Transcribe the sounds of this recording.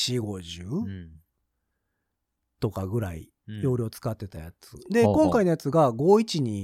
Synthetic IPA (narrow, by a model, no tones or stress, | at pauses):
ɕiɡo̞ʑɯː | t̪o̞kaɡɯ̟ɾaḭ | jo̞ːɾʲo̞ːt͡sɨ̥kat̪ːe̞t̪ajat͡sɨd̪e̞kõ̞ŋkainojat͡sɨɡaɡo̞ːit͡ɕiɲ̟i